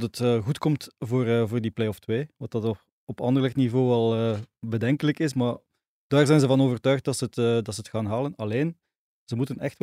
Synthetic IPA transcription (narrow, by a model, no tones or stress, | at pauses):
tətəːɣutkɔmtvoːrvoːrdiplejɔftweːʋɑtdɑt | ɔpɑndərləknivoːɛlˠəːbədɛŋkələkɪsmaː | d̥aːrzɛjnzəvɑnoːvərtœːxt̚dɑtsəətːdɑtsəətxaːnɦaːlənɑleːn | zəmutənɛxt